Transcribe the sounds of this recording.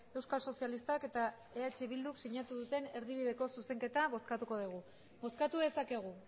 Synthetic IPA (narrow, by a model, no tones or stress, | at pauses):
e̞wskaso̞sialist̪ake̞t̪a | e̞at͡ʃe̞βild̪uksiɲat̪uðut̪e̞ne̞ɾðiβiðe̞ko̞suse̞ŋke̞t̪aβo̞skat̪uko̞ð̞iɣ̞u | bo̞skat̪uðe̞sake̞ɣ̞u